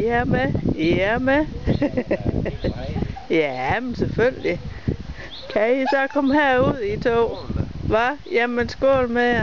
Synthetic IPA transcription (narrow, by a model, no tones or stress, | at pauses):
iæɐmeiæɐme | jæmensefølli | kʰæisɒkʰɒ̽mhæɐ̰uð̰ˠit͡sʰo̰ːʋɑjæmensɡ̥ɔ̰ːlmejɐ